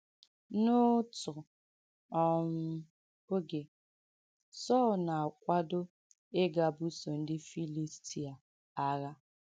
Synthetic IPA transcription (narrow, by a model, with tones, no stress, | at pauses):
no˦tʊ˨ | ɔ˨m̩˦ | o˦ɡe˨ | sɔ˦˨lna˨a˨kʷa˦do˦ | e˦ɡa˨bu˦so˨n̩˦dɪ˦fi˦li˦sti˨a˨ | a˦ɾa˦